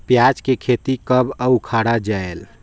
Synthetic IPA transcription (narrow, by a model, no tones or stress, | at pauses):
pjad͡ʒkekʰet̪ikəbəukʰaɽad͡ʒael